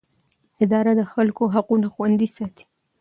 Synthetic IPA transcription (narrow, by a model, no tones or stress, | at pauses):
ɪd̪ɑɾad̪əxalkoɦaqunaxwand̪isɑt̪i̥